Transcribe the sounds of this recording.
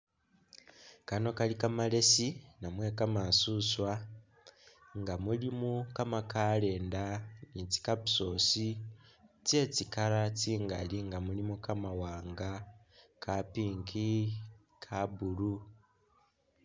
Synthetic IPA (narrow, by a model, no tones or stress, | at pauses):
kano̞kalikamale̞sinamwe̞kamasuswa | ŋɡamulimukamakale̞ːndanit͡si̥kaβuso̞si | t͡se̞t͡sikaɾat͡siːŋɡa̰liŋɡamulimukamawaːŋɡa | kʰapiːŋkʰi | kʰabulu